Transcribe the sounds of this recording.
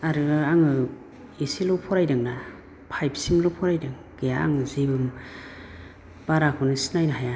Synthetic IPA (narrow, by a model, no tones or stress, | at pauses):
aɾɯɡɯaŋɯ | esilɔpʰɔɾajdɯŋna | pʰajp̚ʰsimlɔpʰɔɾajdɯŋ | ɡ̥ejaa̰ŋɯzibɯm | b̥aɾakʰɯnɯsi̥najnaɦaja